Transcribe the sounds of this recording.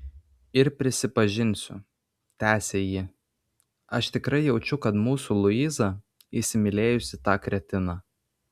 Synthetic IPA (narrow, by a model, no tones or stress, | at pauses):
ɪɾpʲɾʲɪsʲɪpɐʒʲɪnʲsʲʊ̰ | t̪ʲæːsʲeːjɪ | ɐʃt̪ʲɪkɾɐɪjɛʊt͡ʃʲʊkɐt̪muːsulˠʊiːzɑ | ɪsʲɪmʲɪlʲeːjʊsʲɪt̪ɑːkɾʲɛt̪ʲɪnɑː